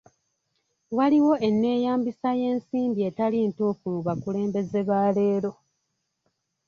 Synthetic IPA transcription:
waliwo̞ʔe̞nːe̞ːjaːmbisaje̞ːnsiːmbie̞talintufuuβakule̞ːmbe̞ze̞βaːle̞ːɾo̞

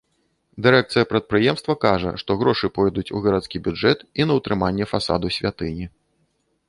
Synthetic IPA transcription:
d̪ɨɾɛk̚t̪sɨjɐpɾɐt̪̚pɾɨjɛmst̪vɐkaʐɐ̰ʂt̪ɔɣɾɔʂɨpɔjd̪ut͡sʲṵɣɐɾat̪skʲibʲud͡ʐɛt̪inɐwt̪ɾɨmanʲːɛfasa̰d̪usʲvʲat̪ɨnʲi

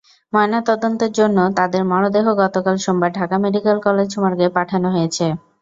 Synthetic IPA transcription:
mɔenat̪ɔd̪ont̪eɾd͡ʑonːot̪ad̪eɾmɔɽ̃od̪eɦoɡɔt̪okalʃombaɾɖʱakameɖikelkɔled͡ʑʃumaɾɡepaʈʰanoɦojet͡ɕʰe

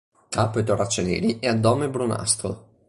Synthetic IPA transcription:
k̪aːpːoet̪orat͡ʃːonɛ̰ːɾiʔɛad̪ːɔːmebɾuna̰st̪ɾo̰

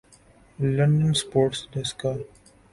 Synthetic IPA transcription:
lʌ̃ɳɖə̃nspoːɾʈsɖɛska

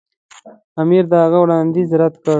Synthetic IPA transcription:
amiɾd̪əhaɣawɽɑnd̪izɾat̪kə

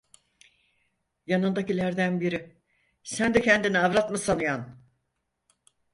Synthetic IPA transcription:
janɯnd̪acilʲæɾd̪ænbiɾɪ | sænd̪ɛcʰɛnd̪iniavɾat̪mɯsanɯjan

